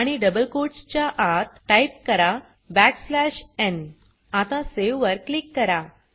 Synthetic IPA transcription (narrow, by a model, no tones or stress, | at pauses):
aɽ̃iɖəbəlkoʈst͡ɕjaʔat̪ʈaip̚kəɾa | bæʈslæɕen | at̪ãseʋʋəɾklikːəɾa